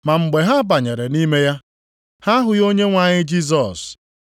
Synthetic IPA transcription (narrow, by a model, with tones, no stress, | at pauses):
ma˨ŋ͡m̩˨ɡ͡be˨ɦa˦ba˨ɲe˨ɾe˨ni˦me˦ja˦ | ha˦ɦʊ˨jo˦ɲe˦ŋʷa˨ɲɪ˦d͡ʒi˦z̬ɔ˨s